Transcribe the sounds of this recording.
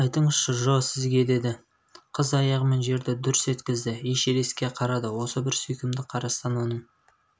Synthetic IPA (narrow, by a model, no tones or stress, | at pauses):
ɑjt̪əɴəz̥ʃəʒosɪzɡʲe̞d̪e̞d̪ɪ | qʰəzɑjɑʁəme̞nʒe̞ɾd̪ɪd̪ʊɾɪse̞t̪kʲɪzd̪ɪeʃeɾeskʲe̞qʰɑɾɑd̪əwo̞səbɪɾsʏjkʲɪmd̪ɪqʰɑɾɑst̪ɑnwo̞nəɴ